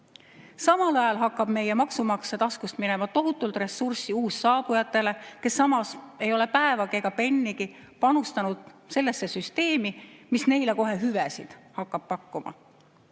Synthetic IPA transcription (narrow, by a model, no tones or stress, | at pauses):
sɑmɑlɑjɑlɦɑkˑːɑb̥me̞je̞mɑksumɑksed̪̥ɑskust̪mine̞mɑt̪o̞ɦut̪ːˑult̪re̞sːursiuːsːɑːb̥ujɑt̪ːˑe̞le̞ke̞sːɑmɑse̞jo̞le̞pæevɑɡeɡ̥ɑpe̞nʲːiɡi | pɑnust̪ɑnud̪̥se̞lːe̞sːe̞syst̪e̞ːmimisne̞jleko̞ɦe̞ɦyvesḭd̪̥hɑkːɑb̥̚pɑkːumɑ̰